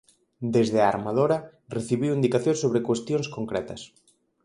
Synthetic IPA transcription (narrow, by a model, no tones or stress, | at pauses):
d̪ezðeaaɾmaðoɾɐ | reθiβiwind̪ikaθjõnsoβɾekwest̪jõŋskoŋkɾɛt̪ɐs